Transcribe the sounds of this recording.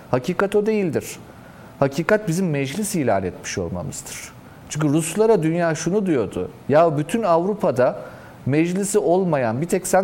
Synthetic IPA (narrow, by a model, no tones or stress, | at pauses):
haciːkat̪o̞d̪e̞jilʲd̪iɾ̥ | hacʰiːkat̪̚bizimːɛd͡ʒlʲisiːlʲa̰ːnɛt̪mi̥ʃo̞̰lˠma̰mɯ̰z̥d̪ɯɾ̥ | t͡ʃʰɯɲʲkɯɾuslˠaɾad̪ynjaːʃunud̪ujo̞d̪ʊ̰ | jabyt̪ʰynavɾupʰad̪a | mɛd͡ʒlʲisio̞lˠmajanbit̪ʰɛcsæ